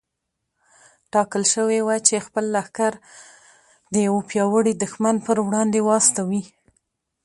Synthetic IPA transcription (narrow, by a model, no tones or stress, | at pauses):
ʈɑkəlʃəwewajt͡ʃexpəlːaxkaɾ | d̪əjawopjɑwəɽid̪ʊxmanpəɾwɽɑnd̪ewɑst̪awi